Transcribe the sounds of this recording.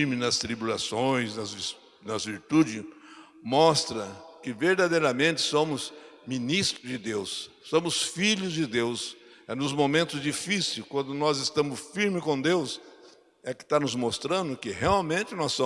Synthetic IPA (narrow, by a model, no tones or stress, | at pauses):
ɾmɪnɐst̪ɾibulasõj̃znɐzv | nɐzviɾt̪ud͡ʒɪ | mɔst̪ɾɐkɪveɾd̪ad̪ejɾɐmẽnt̪ɪ̥sõmʊzminist̪ɾʊzd͡ʒɪd̪ewsːõmʊsfiʎʊzd͡ʒɪd̪ews | ɛnʊzmomẽnt̪ʊzd͡ʒifisiwkwɐ̃nd̪ʊnɔzɪst̪ɐ̃mʊsfiɾmɪkõd̪ews | ɛkɪ̥t̪anʊzmost̪ɾɐ̃nd̪ʊkɪheawmẽnt͡ʃ̪ɪnɔssõ